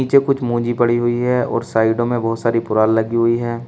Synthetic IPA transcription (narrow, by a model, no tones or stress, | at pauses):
iːt͡ʃekʊt͡ʃʰmũːd͡ʒipɐɽ̤iɦʊiɦɛɔ̰ːɾsaːɪɖõmẽbɔːt̪saːɾipʊɾaːllɐɡiɦʊiɦɛː